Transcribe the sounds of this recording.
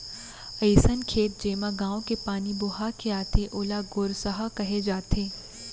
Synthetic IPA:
ɐɪsənkʰeːt̪̚d͡ʒeːmaɡãːõkepaːnibʊɦakeaːt̪eʔoːlaɡoːɾsɐɦakɐɦed͡ʒaːt̪eː

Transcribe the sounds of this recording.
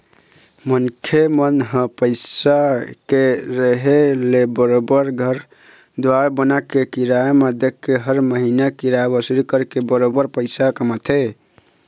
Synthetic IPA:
mənkʰemənɦə̃pəɪsakeɾəɦelebəɾobəɾɡʱəɾ | d̪waɾabənakekiɾaemed̪ekːeɦəɾməɦinakiɾaebəsɾikəɾkebəɾobəɾpəɪsakəmət̪ʰe

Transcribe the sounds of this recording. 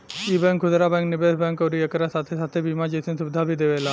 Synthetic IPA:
ibɛ̃ŋkʰud̪ɾabɛ̃ŋknibesbɛ̃ŋkoɾiekəɾasat̪ʰesat̪ʰebimad͡ʑisʰinsubd̪ʱabʱid̪eʋela

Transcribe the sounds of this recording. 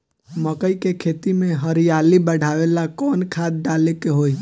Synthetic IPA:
məkəikekʰet̪imẽɦəɾijalibəɽ̤ʱaʋelakɔːnkʰad̪̚ɖalekeɦoːi

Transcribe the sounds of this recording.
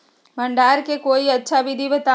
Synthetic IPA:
mɐ̃ɳɖaːɾkekoːiɐtːʃʰaʋɪd̪ʱibət̪a

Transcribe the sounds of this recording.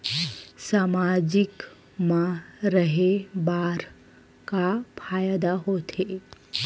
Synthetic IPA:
saːmad͡ʒɪk | mãɾəɦebaːɾ | kapʰaːjd̪aɦoːt̪ʰe

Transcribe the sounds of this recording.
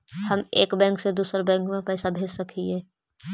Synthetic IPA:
hɐmeːkbɛ̃ːŋksed̪uːsɾbɛ̃ːŋkmẽpɛːsabʱeːd͡ʒsɐkʰieː

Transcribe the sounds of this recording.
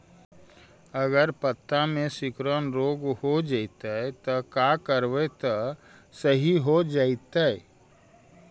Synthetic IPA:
əɡəɾpət̪ːamẽsɪkɾənɾoːɡhod͡ʒaɪt̪aɛt̪ɔkakəɾʋet̪ɔ | səɦiɦod͡ʒait̪aɛ

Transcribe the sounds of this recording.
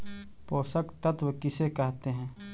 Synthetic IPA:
poːsəkt̪ət̪wəkɪsekɐɦt̪eɦɛ̃ː

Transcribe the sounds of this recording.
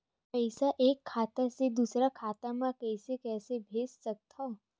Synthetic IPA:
pəɪsaʔeːkʰːaːt̪ased̪uːsɾakʰaːt̪amãkɛːsekɛːsebʱeːd͡ʒsɐk̚t̪a

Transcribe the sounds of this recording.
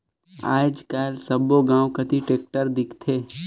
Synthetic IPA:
a̰ːd͡ʒkaːlsəboɡãːwkət̪iʈeːk̚ʈəɾd̪ɪkʰt̪ʰeː

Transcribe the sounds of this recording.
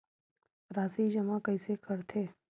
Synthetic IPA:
ɾaːsid͡ʒəmãkəisekəɾt̪ʰeː

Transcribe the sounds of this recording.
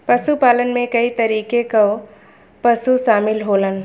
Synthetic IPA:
pɐsupaːlənmẽkɐit̪ɐɾiːkekao | pɐsuʃaːmɪlɦoːlən

